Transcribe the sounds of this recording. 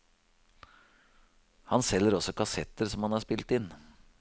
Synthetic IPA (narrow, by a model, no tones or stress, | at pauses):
hɑnsɛlːəɾɔsɔkʰɑsɛt̪əɾsɔmhɑnhɑːʂspɪlt̪ɪn